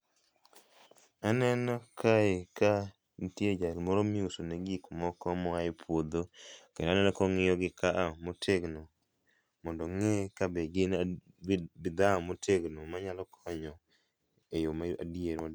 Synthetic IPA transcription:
anɛnɔkʰaeka | ntjed͡ʒalmɔɾomiusoneɡikumɔkɔmɔaɪpʰwod̪okenanɛnɔkɔŋɪjɔɡɪkaʔamotʰeɡno | mɔndɔŋekabɛɡɪn | bɪd̪amotʰeɡnomaɲalɔkʰɔɲɔ | ejomaa̰dieɾɔd

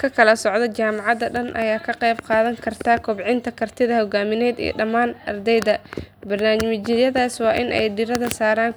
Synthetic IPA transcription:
kʰɐkʰɐlɐsɔʕd̪ɐt͡ʃaːmɑʕɑd̪ɐɖɐnʔɐ̰jaːkʰɐqɛjb̚qɑːðɐŋkʰɐrt̪ʰakʰʊbʕɪnt̪ʰɐkʰɐrt̪ʰɪðɐhɔɡaːmɪnɛːd̪ḭːɖɐmaːnʔɐ̰rd̪ɛjd̪ɐbɐrnaːmmɪt͡ʃɪjɐðaːswɑːʔɪnʔɛ̰jɖɪɾɐðɐsaːɾaːŋ

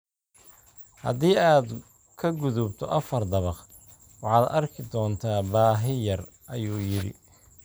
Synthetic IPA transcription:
hɐ̰ðiːaːd̪ | kʰɐɡʊðʊbt̪ʰɔ̰ʔɐfɐrd̪ɐβɑq | wɑħɑːd̪ɐrkʰɪd̪ɔːnt̪ʰaːbaːɦɪjɐr | ʔɐjuːjɪɾɪ̰

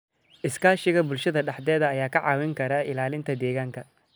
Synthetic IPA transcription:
ʔɪskʰaːʃɪɣɐbʊlʃɐðɐɖɑħd̪ɛːðɐːjaːkʰɐʕɑ̰ːwɪŋkʰɐɾɐʔɪlaːlɪnt̪ʰɐd̪ɛːɣaːŋkʰɐ

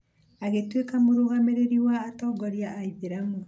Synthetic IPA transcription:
aɣetwekamoɾoɣameɾeɾiwaːtɔːɡɔɾiaʔːiðeɾamu

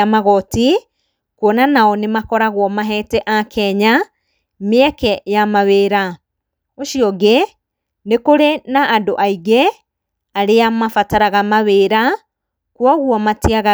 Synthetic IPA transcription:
amaɣɔti | kɔnanaɔnemakɔɾaɣwɔmaɦɛtɛʔakʰɛɲa | meɛkɛjamaweːɾa | oʃiɔɡe | nekoɾenaːndoʔaiɣe | aɾeamafataɾaɣamaβeɾa | kwɔɣwɔmatiaɣa

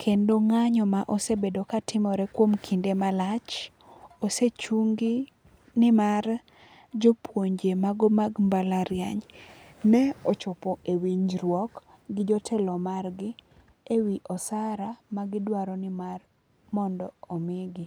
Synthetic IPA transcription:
kʰendoŋaɲɔmaʔosebedokatʰɪmɔɾɛkwomkʰindemalat͡ʃ | oset͡ʃuŋɡɪ | nɪmar | d͡ʒopwoɲd͡ʒemaɡomaɡmbalaɾja̰ɲnɛɔt͡ʃɔpɔʔewiɲd͡ʒɾwɔk | ɡɪd͡ʒɔtʰɛlɔmarɡɪ | ewiʔɔsaɾamaɡɪdwaɾɔnɪmar | mɔndɔomɪɡɪ

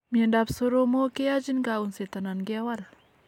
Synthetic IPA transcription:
mienɖap̚soɾomokead͡ʒinɡaunset̪ananɡeawal

